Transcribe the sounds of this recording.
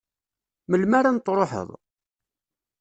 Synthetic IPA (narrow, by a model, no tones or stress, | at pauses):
məlmaɾant̪ːɾˤoħə̰ðˤ